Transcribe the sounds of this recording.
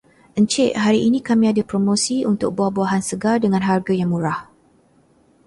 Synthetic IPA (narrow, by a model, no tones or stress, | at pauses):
ʔəɲt͡ʃɪʔɦaɾiʔinĩkamĩadapɾomõsiunt̪ʊk̚bahbuaɦansəɡardəŋãnɦarɡajaŋmuɾah